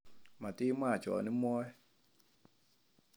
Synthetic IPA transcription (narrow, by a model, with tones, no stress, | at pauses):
ma˨tɪ˦ma˦˨t͡ʃɔ̰˨nɪ˦mɔ˦ɛ˦